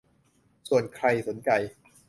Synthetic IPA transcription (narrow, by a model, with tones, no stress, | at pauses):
su˨˩ənkʰɾa˧jso˩˦nt͡ɕa˧j